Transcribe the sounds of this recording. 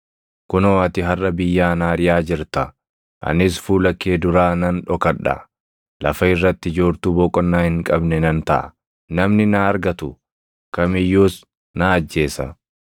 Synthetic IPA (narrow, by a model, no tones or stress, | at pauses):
kʊnoːɐt̪ɪɦɐrːɐbɪjːaːnaːɾɪjaːd͡ʒɪɾt̪ɐ | ʔɐ̰nɪsfuːlɐkːeːd̪ʊɾaːnɐnᶑɔkɐᶑɐ̰ | lɐfɐɪrːɐt̪ːɪd͡ʒoːɾt̪uːbɔːkʼɔnːaːhɪŋkʼɐbnɛnɐnt̪ɐʔɐ̰ | nɐmnɪnaːɾɡɐt̪ʊ | kɐmɪjːuːs | naːɐd͡ʒːe̞ːsɐ̰